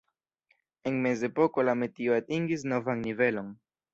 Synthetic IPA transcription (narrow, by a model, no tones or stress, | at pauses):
eŋmezepokolamet̪ioat̪iŋɡisnovaŋnivelo̞n